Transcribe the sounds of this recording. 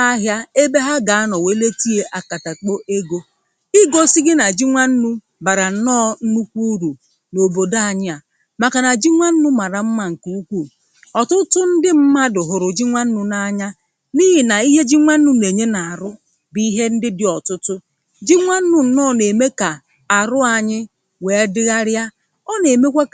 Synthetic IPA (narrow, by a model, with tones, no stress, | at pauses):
a˦ɦja˦e˦be˦ɦa˦ɡa˨a˦nɔ˨we˦le˦ti˦e˦ʔa˨ka˨ta˨k͡po˦ʔe˦ɡo˦ | i˦ɡo˦si˦ɡɪ˦na˨d͡ʒi˦ŋʷa˦n̩˦nu˦ | ba˨ɾa˨n̩˦nɔː˦n̩˦nu˦kʷu˦ɾu˨ | no˨bo˨da˦a˦˨ɲɪ˦a˨ | ma˨ka˨na˨d͡ʒi˦ŋʷa˦n̩˦nʊ˦ma˨ɾa˨m̩˦ma˦˨ŋ̩˨ku˦u˦kʷu˦˨ | ɔ˨tʊ˦tʊ˦n̩˦dɪ˦m̩˦ma˦dʊ˨ɦʊ˨ɾʊ˨d͡ʒi˦ŋʷa˦n̩˦nʊ˦na˦ɲa˦ | ni˦ɦɪ˨na˨i˦ɦe˦d͡ʒi˦ŋʷa˦n̩˦nu˦ne˨ɲe˦na˨a˨ɾʊ˦ | bi˦ɦe˦n̩˦dɪ˦dɪ˨ɔ˨tʊ˦tʊ˦ | d͡ʒi˦ŋʷa˦n̩˦nʊ˦n̩˨nɔ˦˨ne˨me˦ka˨ | a˨ɾʊ˦a˨ɲɪ˦ | we˨˦dɪ˦ɣa˦ɾja˦ | ɔ˦ne˨me˦kʷe˦